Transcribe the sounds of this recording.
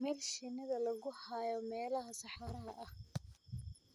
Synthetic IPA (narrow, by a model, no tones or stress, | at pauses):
mɛːlʃɪnɪðɐlɐɣʊhajɔmɛːlɐɦɐsɑħɑɾɐɦɐʔɐh